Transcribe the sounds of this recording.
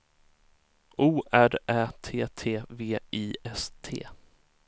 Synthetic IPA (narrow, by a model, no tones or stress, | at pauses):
uːʔæɾʔæːt̪ʰeːt̪ʰeːveːʔiːɛst̪ʰḛː